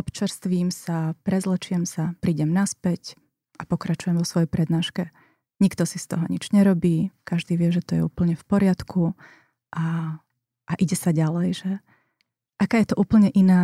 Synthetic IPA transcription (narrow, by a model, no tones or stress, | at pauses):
ɔpt͡ʃɛɾst̪ʋiːmsapɾɛzlɛt͡ʃɪɛmsapɾiːɟɛmnaspɛc | ʔapɔkɾat͡ʃujɛmʋɔsʋɔjɛjpɾɛd̪naːʃkɛ | ɲikt̪ɔsist̪ɔɦɔɲid͡ʒɲɛɾɔbiːkaʒd̪iːʋɪɛʒɛt̪ɔjɛ̰ṵːpl̩ɲɛfpɔɾɪat̪kʰu | ʔa | ʔaʔiɟɛsaɟalɛjʒɛ | ʔakaːjɛt̪ɔʔuːpl̩ɲɛʔinaː